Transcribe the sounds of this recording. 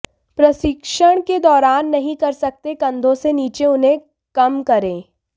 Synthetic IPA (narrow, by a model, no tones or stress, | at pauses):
pɾɐsɪkʃəɽ̃ked̪ɔːɾaːnːɐɦĩkɐɾsɐk̚t̪ekɐ̃nd̪ʱõseniːt͡ʃeʊnɦẽ | kɐmkɐɾẽː